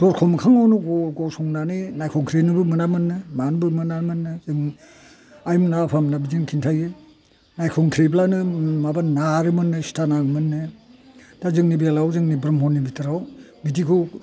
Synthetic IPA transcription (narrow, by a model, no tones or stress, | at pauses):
d̥ɔɾkʰɔmkʰaŋawnɯɡɔɡɔsɔŋnaninajkʰɔŋkʰɾinɯbɯmɯnamɯnːɯmanbɯmɯnamɯnːɯzɯŋ | ajmnapʰamnabid͡ʒiŋkʰintʰajɯ | najkʰɔŋkʰɾiblanɯmabanaɾɯmɯnːɯsi̥tanaɡmɯnːɯ | d̥azɯŋnibialawzɯŋnibɾɯmɦɔnːibitʰɯɾaw | bidikʰu